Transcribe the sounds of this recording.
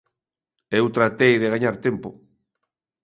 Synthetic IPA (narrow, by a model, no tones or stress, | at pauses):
ewt̪ɾat̪ejðeɣaɲaɾt̪empo